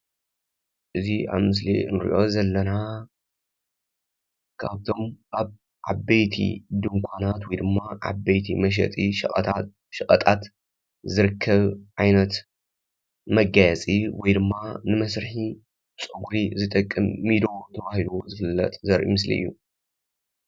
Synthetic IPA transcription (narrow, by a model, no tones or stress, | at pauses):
ʔɨziʔa̰βmɨs̬lḭɨnɾḭʔo̞zɐlːɐna | kʰa̰βt̪ʰo̞mʔaβ | ʕa̰bɐjt̪ʰḭd̪ɨŋkʷʰanat̪wɔjd̪ɨmːaʕa̰bɐjt̪ʰimɐʃ̬ɐ̰t̪ʼi | ʃɨkʼɐt̪ʼat̪ | zɨɾɨkʰːɐβʕajnɐt̪ | mɐɡajɐt͡sʼiwɔjd̪ɨmːanɨmɐsɾɨħi | t͡sʼɨɡuɾizɨt̪ʼɐkʼːɨmːid̪ot̪ʰɐβahiluzɨfɨlːɐ̰t̪ʼzɐɾʔḭmɨslḭʔɨ̰jːu